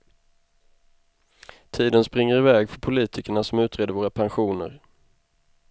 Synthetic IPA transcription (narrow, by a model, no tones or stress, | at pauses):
t̪ʰiːd̪ənspɾɪŋːəɾɪvɛːɡfœɾpʰʊliːt̪ʰɪkəɳasɔmʉ̟ːt̪ɾeːd̪əɾvoːɾapʰanɧuːnə̰ɾ